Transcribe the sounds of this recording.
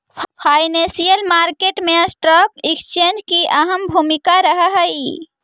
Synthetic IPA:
pʰajnesijəlmaɾkeʈmẽsʈɾəkikst͡ʃend͡ʒkiʔəɦəmbʱumikaɾəɦəɦəi

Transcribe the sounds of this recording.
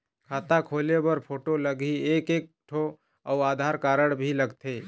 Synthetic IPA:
kʰat̪akʰolebəɾpʰoʈoləɡiekek̚ʈʰo | awad̪ʱaɾkaɾəɽ̃bʱiləɡt̪ʰe

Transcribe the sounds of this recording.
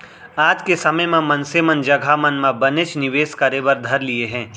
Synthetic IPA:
aːd͡ʒkesɐməjmẽmɐ̃nsemə̃nd͡ʒɐɡʱamɐnmãbɐnet͡ʃnɪʋeːskɐɾebɐɾd̪ʱɐɾlieɦɛ̃ː

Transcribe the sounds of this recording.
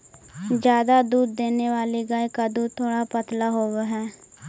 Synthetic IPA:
d͡ʒjaːd̪ad̪uːd̪ːeːneːʋaːleɡaːekad̪uːt̪ʰoːɽaːpət̪laːɦoːʋeɦɛː

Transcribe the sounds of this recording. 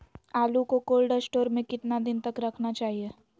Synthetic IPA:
aːlukokoːlɖəsʈoːɾmẽkɪt̪nad̪ɪnt̪ɐkɾɐkʰnat͡ʃaːɦieː

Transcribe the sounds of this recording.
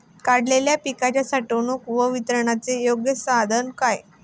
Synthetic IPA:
kaɽleljapikat͡ɕjasaʈonukʋəʋit̪ɾəɳat͡sejoɡjəsad̪ʱənkaj

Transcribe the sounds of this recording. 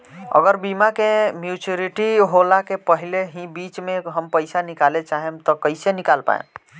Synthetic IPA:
ə̰ɡəɾbimakemjut͡ʃəɾiʈiɦolakepəɦileɦĩbit͡ʃmeɦəmpəɪsanikalet͡ʃaɦemt̪ɔkəɪsenikalpa̰ḛn

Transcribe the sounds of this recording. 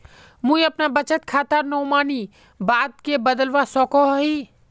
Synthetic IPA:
mũːĩɐpnabət͡ʃət̪̚kʰaːt̪aɾnoːmaːni | baːd̪̚kebəd̪əlʋasɔːkoɦɦiː

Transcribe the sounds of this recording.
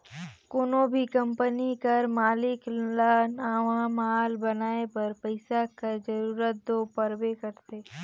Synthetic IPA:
kʊnõbʱikɐ̃mpənikɐɾmaːlɪklanaːʋaːmɦaːlbɐnaːepɐɾpəɪsakad͡ʒɐɾuːɾət̪̚d̪oːpɐɾbekɐɾt̪eː

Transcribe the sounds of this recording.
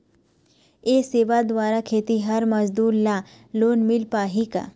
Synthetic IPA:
eːseːʋad̪ʋaːɾakʰeːt̪iɦɐɾmɐzd̪uːɾlaː | loːnmɪlpaːɦika̰ː

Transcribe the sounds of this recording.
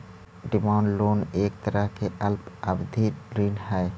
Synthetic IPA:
ɖimaɳloneːk̚t̪ɐɾaɦkeʔəlpabd̪ʱiɾinɦɛe

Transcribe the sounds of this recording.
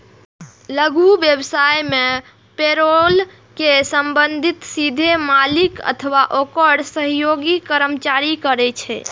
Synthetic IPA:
ləɡubjəbsajme | peɾol | kesəmbənd̪ʱit̪sid̪ʱemalikə̰t̪ʰʋaʔokəɽsəɦjoɡikəɾəmt͡ʃaɾikəɾɛt͡ʃʰɛ̰

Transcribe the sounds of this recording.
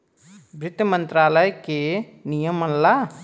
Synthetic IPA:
bɾɪt̪ːmə̃nt̪ɾaːləjke | nijəmɐnla

